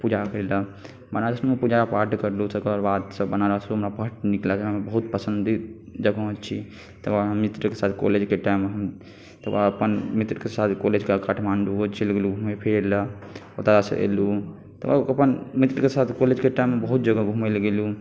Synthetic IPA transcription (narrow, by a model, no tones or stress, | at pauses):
pud͡ʒʱakəɾelə | bənad͡ʒəsumepud͡ʒapaɾʈkəɾlusəkəɾbad̪səbənaɾəɦsɦəmɾapəʈniklad͡ʒʰɦəmebəɦut̪̚pəsənd̪i | d͡ʒəɡət͡ʃʰi | t̪əbamːit̪ɾəkesat̪ʰko̰led͡ʒkeʈaimːeɦəm | t̪əbaəpənmit̪ɾəkesat̪ʰkoled͡ʒkakaʈʰmanɖuot͡ʃʰiləɡeluɡʱumepʰeɾləot̪aɾasə̰ʔḛlu | t̪əaəpənmit̪ɾəkesat̪ʰkoled͡ʒkeʈaimːebəɦut̪̚d͡ʒəɡəɡʱumelɡelu